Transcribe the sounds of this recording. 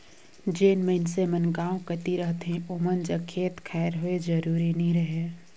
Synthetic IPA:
d͡ʒeːnməɪnsemənɡaːõkət̪iɾəɦt̪ɦẽʔomənd͡ʒəkʰːeːt̪kʰaːɾɦoed͡ʒəɾuːɾinəɦĩɾəɦeː

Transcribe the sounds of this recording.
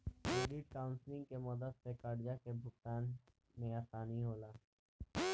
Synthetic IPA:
eːɖiʈ̚kaːʊ̃nslɪ̃ŋɡ̚kemɐd̪əd̪sẽkəɽjakebʱʊkt̪aːn | mẽaːsaːniɦoːlaː

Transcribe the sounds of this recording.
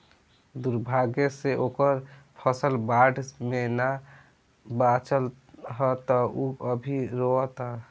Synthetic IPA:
d̪uɾbʱaɡeseʔoːkəɾpʰəsəlbaːɖmena | bat͡ʃəl | ɦɛt̪ɔuəbʱiɾoət̪a

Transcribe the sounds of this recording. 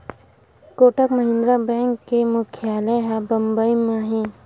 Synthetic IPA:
koːʈəkməɦɪ̃nd̪ɾabɛ̃ːŋkːemʊkʰjaːleɦabɐmbəimaːɦĩ

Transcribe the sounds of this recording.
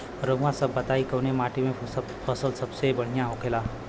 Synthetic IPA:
ɾəɡʋãsəbət̪aikəwñemaʈimẽ | fʰəsəlsəbsebəɽ̤̃ijãɦokʰela

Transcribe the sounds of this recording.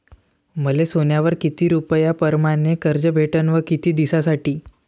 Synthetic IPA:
məlesonjaʋəɾkit̪iːɾupəjapəɾmanekəɾd͡ʑəbʱeʈənʋəkit̪iːd̪isasaʈiː

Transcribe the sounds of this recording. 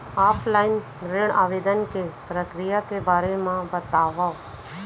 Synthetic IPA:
aːpʰlaːin | ɾeɳa̰ːʋeːd̪ənkepɾəkɾijakebaːɾemãbət̪aːʋa

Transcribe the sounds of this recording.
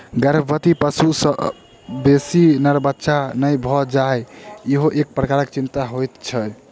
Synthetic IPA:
ɡəɾəbbət̪ipəsusə | besinəɾbətːʃʰanəjbʱɔd͡ʒaeiɦoʔek̚pɾəkaɾəkt͡ʃint̪aɦojt̪t͡ʃʰə

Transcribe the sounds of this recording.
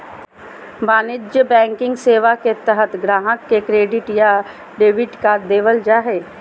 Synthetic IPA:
baːnɪd͡ʒjəbɛ̃ːŋkɪ̃ŋɡseːʋaket̪əɦət̪ʰɡɾaːɦəkːekɾeːɖɪʈja | ɖeːʋɪɖkaːɾd̪eːʋəld͡ʒaːɦeː

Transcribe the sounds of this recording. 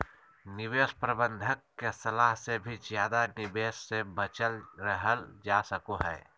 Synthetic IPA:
nɪʋeːspɾəbə̃nd̪ʱəkːesɐlaːɦsebʱizjaːd̪anɪbeːʃsebət͡ʃəlɾəɦəld͡ʒaːsəkoɦɛː

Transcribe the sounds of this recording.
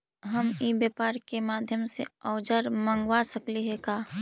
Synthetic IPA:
ɦəmibjəːpaːɾkemaːd̪ʱjəmsḛɔːd͡ʒəɾmə̃ŋɡwasəkliɦɛkaː

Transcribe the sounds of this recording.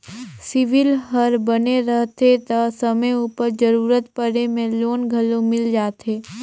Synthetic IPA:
sɪʋɪlɦəɾbəneɾəɦt̪et̪ɐsəməjupəɾd͡ʒəɾuːɾət̪pəɽemẽloːnɡʱəlõmɪld͡ʒaːt̪eː

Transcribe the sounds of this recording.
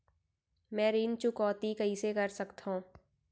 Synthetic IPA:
mɛ̃ːɾiːnt͡ʃʊkɔːt̪ikɐɦisekɐɾsɐkt̪ɦõː

